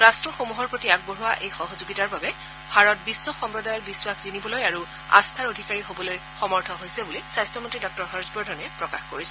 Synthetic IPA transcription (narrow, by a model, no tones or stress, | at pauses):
ɹastɹɔxomuɦɔɹpɹotiaɡ̚boɹuwaʔejxɔɦɔzoɡitaɹbabɛ | bʱaɹɔt̚bisːɔxɔmpɹɔdajɔɹbiswakzinibɔlojaɹu | a̰stʰaɹodʱikaɹiɦobɔloj | xɔmɔɹtʰɔɦojsɛbulisajstɹɔmɔntɹidɔk̚tɔɹɦɔɹsbɔdʱɔnɛpɹɔkaxkoɹisɛ